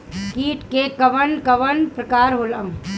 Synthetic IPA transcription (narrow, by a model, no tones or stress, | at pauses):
kiːʈkekɐʋənkɐʋənpɾɐkaːɾɦoːlɐm